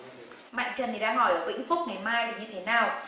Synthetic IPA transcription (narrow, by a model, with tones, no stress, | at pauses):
ma̰˧˨ŋ̟t͡ɕə˨˩nt̪ʰi˨˩ɗaː˧ŋhɔ˧˩jʔəː˧˩kwḭ˧˥ŋ̟fʊ˦˥k͡p̚ŋa˨˩jmaː˧jt̪i˨˩ɲɨ˧t̪ʰe˨˦naː˨˩w